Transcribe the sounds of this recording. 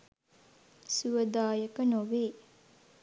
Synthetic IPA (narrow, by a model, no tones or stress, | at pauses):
suəd̪aːjəkənoʋeː